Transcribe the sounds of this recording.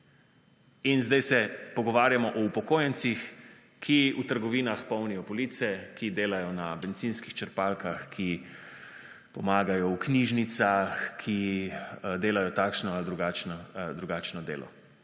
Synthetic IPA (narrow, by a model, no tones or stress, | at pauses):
inzd̪ajsɛpɔɡɔʋaːɾjamɔʔɔupɔkoːjɛnt̪six | kʰiut̪əɾɡɔʋiːnaxpɔwnijɔpɔlit̪sɛkid̪eːlajɔnabɛnt̪sinskixt͡ʃəɾpalkaxkʰi | pɔmaːɡajɔwkniːʒnit̪saxkʰi | d̪eːlajɔt̪aːkʃnɔald̪ɾuɡaːt͡ʃnɔd̪ɾuɡaːt͡ʃnɔd̪ḛːlʔɔ̰